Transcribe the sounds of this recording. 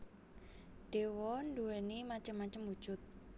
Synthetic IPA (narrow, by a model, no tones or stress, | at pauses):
ɖ̥ewɔnɖuwenimat͡ʃəmːat͡ʃəmwu̥ʒ̥ʊt̪̚